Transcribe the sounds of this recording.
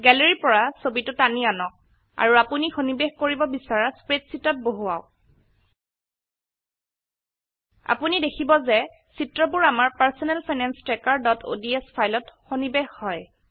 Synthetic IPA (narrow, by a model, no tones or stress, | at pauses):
ɡɛleɹipɔɹasobitʊtanianɔk̚ | a̰ɹuapunixonibexkoɹibɔbisaɹaspɹetsitɔt̚boɦuaʊ | a̰punidekʰibɔzɛ | sitɹɔpuɹamaɹpaɹsɔnɛlpʰajnanstɹɛkaɹdɔtʰo̰diɛspʰajlɔtxonibexhɔj